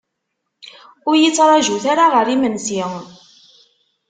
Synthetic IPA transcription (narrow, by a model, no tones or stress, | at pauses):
ʊɾjət͡sːɾˤɑʒuθaɾaʁəɾimənsi